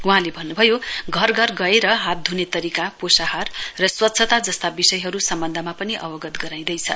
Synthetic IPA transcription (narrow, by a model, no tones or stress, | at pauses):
uɦãlebʱʌnːubʱʌjoɡʱʌrɡʱʌrɡʌeɾʌɦat̪̚d̪ʱunet̪ʌɾikaposaɦʌrrʌswʌt̪ːsʰʌt̪ad͡zʌst̪abisʌjɦʌɾusʌmbʌnd̪ʱʌmapʌniʔʌ̰bʌɡʌt̪ɡʌɾaj̃d̪ʌjt͡sʰʌ̰